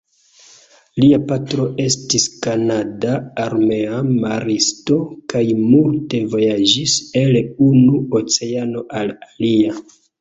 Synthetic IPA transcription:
liapatɾo̞ʔe̞stiskanadaːɾme̞amaɾisto̞kajmulte̞vo̞jad͡ʒise̞lunuot͡se̞ano̞ʔalalia

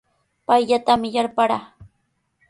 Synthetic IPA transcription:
pajʎat̪amɪjaɾpaɾaː

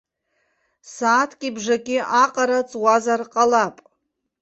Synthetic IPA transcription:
saːtʰkʲʼibʐakʲʼɪʔaqʼaɾat͡sʼwazarqʼalapʼ

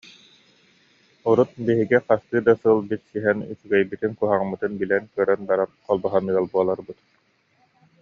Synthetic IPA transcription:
uɾut̪̚biɦiɡiqast̪ɯːd̪asɯlˠbit̪siɦɛny̰tyɡɛjbit̪inkuɦaʁmɯt̪ɯnbilɛnkœɾœnbaɾanqɔlˠbɔɦanɯɐlˠbuɔlˠaɾbɯt̪

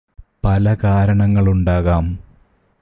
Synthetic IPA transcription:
pɐlɐkaːɾɐɳɐŋːɐɭuɳɖaːɣaːm

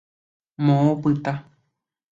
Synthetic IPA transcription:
mõopɨt̪a

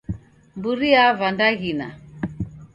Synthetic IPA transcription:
mbuɾiavandaɣina̰

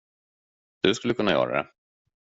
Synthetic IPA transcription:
d̪̥ɵskɵlːəkʰɵnːajœ̰ːɾa̰d̪ɛ̰

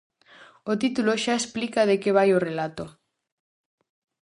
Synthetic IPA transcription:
ot̪it̪uloʃaesplikaðekeβajorelat̪o

